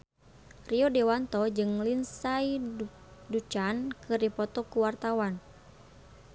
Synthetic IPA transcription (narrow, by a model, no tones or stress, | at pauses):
riɔdɛwant̪ɔd͡ʒɨŋlinsai | dut͡ʃankɨrdipɔt̪ɔkuwart̪awan